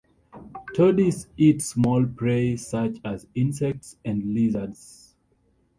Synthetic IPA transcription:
tʰədisitsmɔlpʰɹesat͡ʃazĩnsɛk̚tsɛ̃ndlizəs

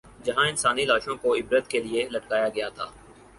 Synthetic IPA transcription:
d͡ʒɐɦãɪnsaːnilaːʃõkoɪbɾət̪kelielɐʈkaːjaɡɐjat̪ʰa̰ː

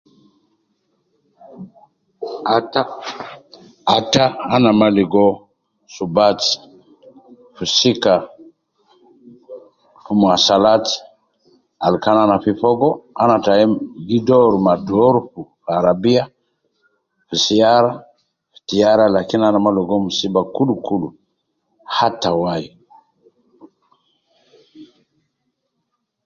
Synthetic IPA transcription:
ataːnamaliɡɔ | subat | fusika | fumasalat | alkananafifɔɡɔanataɛɡidɔɾumadɔɾufufaɾabia | fusiaɾa | fi̥tijaɾalakinanamalɔɡɔmusibakulukulu | hatawaji

